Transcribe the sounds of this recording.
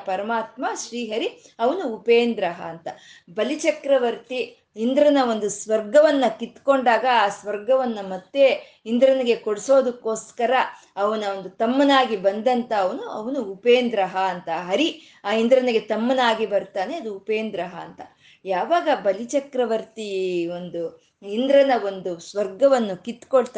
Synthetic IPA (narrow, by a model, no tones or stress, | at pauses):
pɐɾɐmaːt̪maʃɾiːɦɐɾi | ɐʋɐnuːpeːnd̪ɾɐɦɐːnt̪ɐbɐlit͡ʃɐkɾɐʋɐɾt̪iː | nd̪ɾɐnɐo̞nd̪usʋɐɾɡɐʋɐnːɐkit̪ːko̞ɳɖaːɡɐaːsʋɐɾɡɐʋɐnːɐmɐt̪ːe | ind̪ɾɐniɡe̞koɽiso̞ːd̪ukːo̞ːskɐɾɐ | ɐʋɐnɐond̪ut̪ɐmːɐnaːɡibɐnd̪ɐnt̪ɐːʋɐnuɐʋɐnuːpeːnd̪ɾɐɦɐːnt̪ɐɦɐɾi | aːind̪ɾɐniɡe̞t̪ɐmːɐnaːɡibɐɾt̪aːne̞ɐd̪uːpeːnd̪ɾɐɦɐ̰ːnt̪ɐ | jaːʋaːɡɐbɐlit͡ʃɐkɾɐʋɐɾt̪io̞nd̪u | ind̪ɾɐnɐo̞nd̪usʋɐɾɡɐʋɐnːukit̪koɭt̪ː